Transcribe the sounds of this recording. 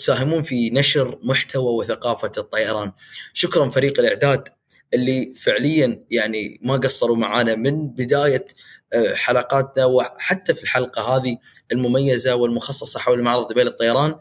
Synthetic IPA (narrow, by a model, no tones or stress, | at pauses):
t̪saːɦɪmuːnfinaʃɾmʊħt̪awawɪθaqɑːfat̪ˤːɑjɑɾˤɑːnʃʊkɾˤɑnfaɾiːqɪlʔɪʕd̪aːd̪ | ʔɪlːifɪʕlɪjːajaʕnḭmaɡasˤːɑɾˤuma̰ʕaːnamɪnbɪd̪aːja | ħalɑqɑːt̪nawɪħat̪ːafilħalqɑɦaːði | ɪlmʊmajːazawɪlmʊxɑsˤːɑsˤɑħawllmaʕɾɑðˤbeːlɨt̪ˤːɑjɑɾˤɑːn